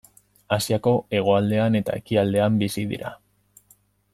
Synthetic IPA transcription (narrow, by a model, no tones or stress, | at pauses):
asiako̞e̞ɣ̞o̞ald̪e̞ane̞t̪a̰e̞kiald̪e̞ambisiðḭɾʔa̰